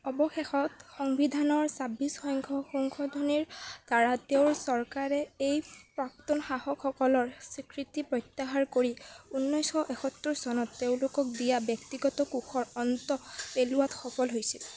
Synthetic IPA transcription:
ɔbɔxexɔtxɔŋbidʱanɔɹsabisxɔjŋkʰɔxɔŋkʰɔdʱɔniɹdaɹateʊɹsɔɹkaɹɛejpɹak̚tɔnxahɔkʰːɔkɔlɔɹsikɹitipɹɔjtːaɦaɹkoɹiunːɔjsxɔʔexʰɔtːuɹsɔnɔtːeʊ̃lʊkɔk̚dijabjɔk̚tiɡɔtɔkukʰɔɹɔntɔpeluwatxɔpɔlɦojsil

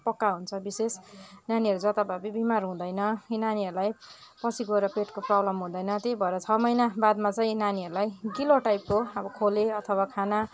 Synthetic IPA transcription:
pʌkːaɦunt͡sʰʌbisesnaniɦʌɾud͡zʌt̪abʱabibimarɦũd̪ʌjnʌkinaniɦʌɾulaj | pʌsʰiɡʌeɾʌpeʈkoprʌblʌmɦũd̪ʌjnʌt̪jejbʱʌeɾʌt͡sʰʌmʌjnabad̪mat͡sʌĩnaniʌɾulajɡiloʈajp̚koʌbʌkʰoleʌt̪ʰʌwakʰana

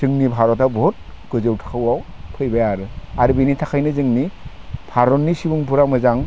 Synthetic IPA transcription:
zɯŋnibʱaɾɔtawbɔt̚ | ɡ̥ɯzɯwtʰḁkʰawawpʰɯjbajaɾɯaɾɯbinitʰakʰajnɯzɯŋni | b̥ʱʰaɾɔnːisibuŋbʰuɾamɯzaŋ

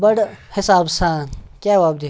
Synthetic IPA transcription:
bɐɽhɪsaːbsaːnkjaːʋaːb̚d̪i

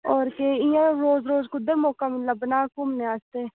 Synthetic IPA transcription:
ɔːɾkeɪjãɾoːzɾoːzkʊd̪əɾmɔːkamət̪ləbːənaːkʊmneaːst̪eː

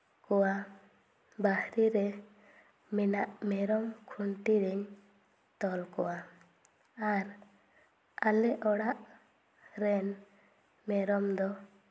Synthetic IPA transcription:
kɔwa | bahɾiɾɛ | mɛnaʔmɛɾɔmkʰuɳʈiɾɛɲ | t̪ɔlkɔwa | aɾ | alɛʔɔɽaʔ | ɾɛn | mɛɾɔmd̪ɔ

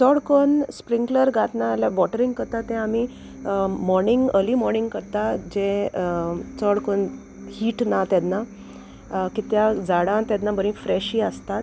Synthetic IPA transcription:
t͡sɔɽkonspɾiŋɡləɾɡat̪naljaʋɔʈəɾiŋɡkəɾt̪at̪ɛ̃ami | mɔɾniŋɡəlimɔɾniŋɡkəɾt̪ad͡ʑẽ | t͡səɽkon | hiːʈnat̪jɛd̪na | kit̪jad͡zaɽãt̪jɛd̪nabəɾĩfɾɛɕiːəst̪at̪

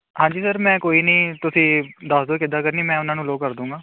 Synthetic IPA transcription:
ɦãːɲd͡ʒiːsəɾmɛ̃ːkoːiːnĩːt̪ʊsĩːd̪aːsd̪oːkɪd̪aːkəɾniːmɛ̃ːʊnãːnũːloːɡkːəɾd̪ũːŋɡaː

